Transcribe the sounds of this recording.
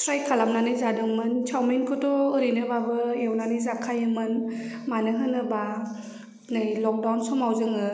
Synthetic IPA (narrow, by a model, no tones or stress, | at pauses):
sɾajkʰalamnanɯjzadɯŋmɯnt͡ʃʰawmenkʰɯtɔɯɾinɯbabɯiewnanɯjzakʰajɯmɯnmanɯɦɯnɯba | nɯjlɔk̚dawnsɔmawzɯŋɯ